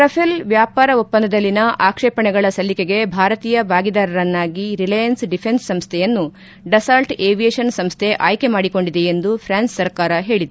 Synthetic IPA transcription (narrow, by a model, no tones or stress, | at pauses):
ɾɐpʰilʋjaːpaːɾɐupːɐnd̪ɐd̪ɐlːinɐʔaːkʂɛːpɐɳɛɡɐɭɐsɐlːikeɡe̞bʱaːɾɐt̪iːjɐbaːɡid̪aːɾɐɾɐnːaːɡiɾilɐjɐnsɖipʰe̞nsːɐmst̪ʰɛjɐnːu | ɖɐsaːlʈeːʋijeːʂɐnsɐmst̪ʰeʔaːjke̞maːɽiko̞ɳɖid̪e̞end̪upʰɾaːnssːɐɾkaːɾɐɦe̞ːɭid̪e